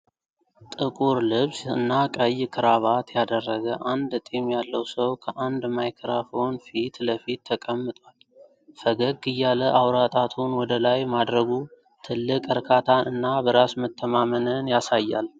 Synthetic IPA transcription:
t̪ʼɨkʼuɾlɨβsɨnːakʼəjːkʰɨɾaβat̪ʰjad̪ərːəɡəʔand̪t̪ʼimjalːəwsəwkʰəʔand̪majkʰɾafo̞nfit̪ləfit̪ʰːəkʼəmːɨt̪ʼwal | fəɡəɡɨjːaləʔawɾat̪ʼat̪ʰunwɔd̪əlajmad̪ɾəɡu | t̪ʰɨlːɨkʼɨɾkʰat̪ʰanɨnːabəɾasmət̪ʰːəmamənənjasajːa̰l

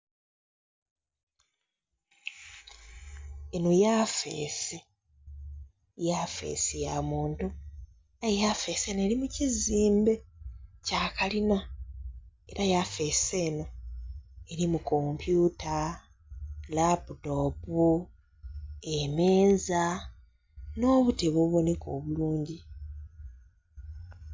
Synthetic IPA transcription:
e̞no̞jaːfḛːse | jafe̞̰ːsejamuːntu | ajejafe̞ːse̞ːnoeɾimuciziːmbe̞cakalina | e̞ɾajafe̞se̞ːno̞ | e̞ɾimukompjuːta | laputo̞ːpu | emeːza | no̞ːβute̞βoβo̞neko̞ːβuluːɲɟi

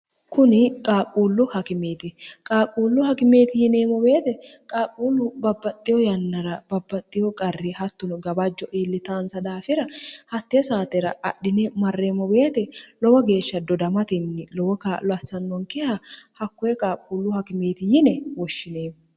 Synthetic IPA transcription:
kʊnɪkʼaːkʼuːlːʊhɐkɪmeːt̪ɪkʼaːkʼːuːlːʊhɐkɪme̞ːt̪ɪjɪneːmɔbe̞ːt̪ɛkʼaːkʼuːlːʊbɐbːɐt̪ʼːɪjɔjɐnːɐɾɐb̥ɐbːɐt̪ʼːɪjɔkʼɐrːɪhɐt̪ːʊnɡɐbɐd͡ʒːɔʔiːlːɪt̪aːnsɐd̪aːfɪɾɐhɐt̪ːɛsaːt̪ɛɾɐɐɗːɪnɛmɐrːeːmɔbe̞ːt̪ɛlɔwɔɡe̞ːʃːɐd̪ɔd̪ɐmɐt̪ɪnːɪlɔwɔkaːlɔɐsːɐnːɔŋkɛhɐhɐkːɔjɛkʼaːkʼːuːlːʊhɐkɪme̞ːt̪ɪjɪnɛwɔʃːɪneːm

